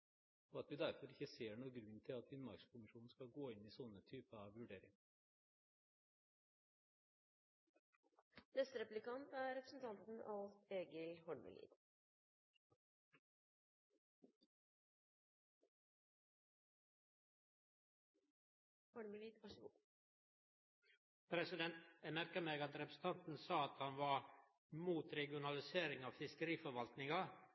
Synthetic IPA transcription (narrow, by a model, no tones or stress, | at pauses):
ɔɑt̪ʋɪd̪æɾfɔɾɪkːəseːɳuːəɡɾʉnːt̪ʰɪlɑt̪ʋɪnmɑɾkskʰʊmɪʂuːnn̩skɑlɡoːɪniːsɔnːət̪ʰyːpəɑʋʋʉɖeːɾɪŋ | nɛst̪əɾɛplɪkʰɑnt̪æɾɛpɾə̥sn̩t̪ʰɑnt̪n̩ɑ̰lt̪eːɡəlhɔɳmə̰lḭːd̪ | hɔɳməliːd̪ɑʂ | pʰɾɛsɪd̪ɛnt̪mæɾkəmeːɡɑt̪ɾɛpɾəsn̩t̪ɑnt̪n̩sɑːɑt̪hɑnʋɑ | muːt̪ɾɛɡɪʊnɑlɪseːɾɪŋɑːʋfɪskəɾiːfɔɾʋɑlt̪nɪŋɑ